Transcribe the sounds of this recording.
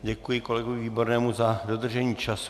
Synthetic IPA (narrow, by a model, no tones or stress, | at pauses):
ɟɛkujɪko̞lɛɡovɪviːbo̞ɾnɛːmuzado̞d̪r̩ʒɛɲiːt͡ʃas